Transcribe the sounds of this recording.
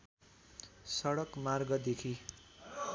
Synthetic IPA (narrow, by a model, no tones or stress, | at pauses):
sʌɽʌkmarɡʌd̪ekʰi